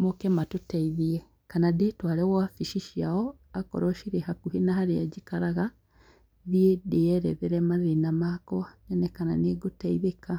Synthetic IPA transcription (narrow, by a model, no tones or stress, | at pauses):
mokɛmatotaiðiɛ | kanadetwaɾɛwafiʃiʃiaɔ | akɔ̰ɾɔʃiɾehakuhinaɦaɾead͡ʒikaɾaɣa | ðiedeɛɾɛ̰ðɛɾɛmaɾenamakɔanɛnɛkana̰neːɡotaiβeka